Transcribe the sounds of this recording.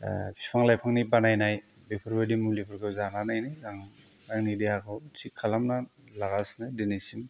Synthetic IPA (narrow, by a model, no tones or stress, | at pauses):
pʰispʰaŋlajpʰaŋnibanajnaj | bepʰɯɾbadimulipʰɯɾkʰɯwzananajnizaŋ | aŋnideakʰawtʰikʰːalamnalaɡasnajdinisim